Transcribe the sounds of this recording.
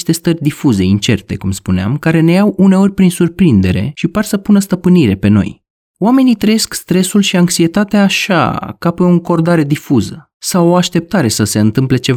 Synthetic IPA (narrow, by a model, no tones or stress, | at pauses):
ʃt̪e̞st̪ərʲd̪ifuze̞int͡ʃe̞rt̪e̞̰kumspunea̰mkaɾe̞ne̞jawune̞o̞rʲpɾinsurpɾind̪e̞ɾe̞̰ʃiparsəpunəst̪əpɨniɾe̞pe̞no̞̰j | oame̞nit̪ɾəjeskst̪ɾe̞sulʃiaŋksie̞t̪at̪eaːʃa̰kapeoŋko̞rd̪aɾe̞d̪ifuzə | sawo̞aʃt̪e̞p̚t̪aɾe̞səse̞ɨnt̪ɨmple̞t͡ʃe̞va